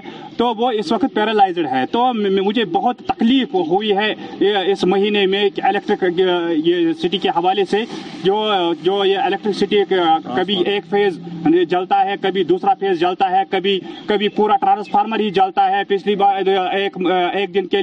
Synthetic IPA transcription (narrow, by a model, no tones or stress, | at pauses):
t̪oʋoɪsʋɐkt̪̚peːɾəlaːɪzɖɦɛt̪omʊd͡ʒʱebɐɦʊt̪ːɐkliːfɦuiɦɛɪsmɐɦiːnemẽelekʈɾɪkjesɪʈikeɦɐʋaːlesed͡ʒoːd͡ʒoːjeeleːk̚ʈɾɪksɪʈikɐbʱieːkpʰeːzd͡ʒɐlt̪aɦɛkɐbʱid̪uːsɾapʰeːzd͡ʒɐlt̪aɦɛkɐbʱikɐbʱipuːɾaʈɾãːnspʰaːɾməɾɦid͡ʒɐlt̪aɦɛpɪt͡ʃʰlibaeːkeːk̚d̪ɪnke